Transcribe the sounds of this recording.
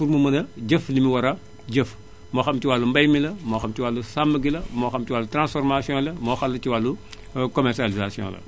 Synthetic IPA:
fuɾmumɐnɐɟɐflimiwɐɾɐ | ɟəf | moːxɐmtiwalːumbɐjmilɐmoːxɐmtiwalːusambɐɡilɐmoːxɐmtiwaːlːutɾãnsfɔɾmasiɔ̃lɐmoːxalːɐtiwalːu | komɛɾsalizasiɔ̰̃ːlɐ̰

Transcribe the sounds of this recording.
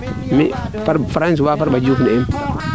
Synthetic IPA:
mi | faɾfɾans̬wafaɾbad͡ʒufniɛm

